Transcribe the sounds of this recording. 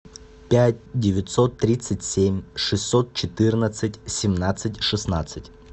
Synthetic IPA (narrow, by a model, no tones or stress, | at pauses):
pʲætʲdʲɪvʲɪt̪sot̪ːɾʲit̪sɨtʲsʲemʲʂɨsʲːot̪̚t͡ɕɪt̪ɨrnət̪sɨtʲsʲɪmnat̪sɨtʲʂɨsnat̪sɨtʲ